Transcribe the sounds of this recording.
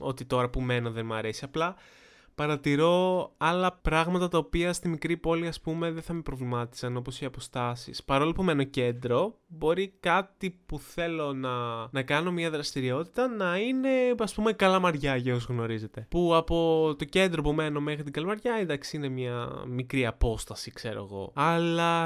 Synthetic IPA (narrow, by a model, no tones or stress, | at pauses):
o̞̰t̪it̪o̞ɾɐpume̞no̞ðe̞nmɐɾe̞siɐplɐ | pɐɾɐt̪iɾo̞ɐlɐpɾɐɣmɐt̪ɐt̪ɐopiɐst̪imikɾipo̞liɐspume̞ðenθɐme̞pɾovlimɐt̪i̥sɐno̞po̞siɐpo̞st̪ɐsḭspɐɾo̞lopume̞no̞ce̞nd̪ɾo̞bo̞ɾikɐt̪ipuθe̞lo̞nɐnɐkɐno̞mɲɐðɾɐst̪iɾio̞t̪i̥t̪ɐnɐine̞ɐspumekɐlɐmɐɾʝɐʝɐozɣno̞ɾize̞t̪e̞puɐpo̞t̪o̞ce̞nd̪ɾo̞pume̞no̞me̞xɾit̪iɡɐlɐmɐɾʝɐend̪ɐksi̥ine̞mɲɐmikɾiɐpo̞st̪ɐsikse̞ɾo̞̰eɣo̞̰ɐlɐ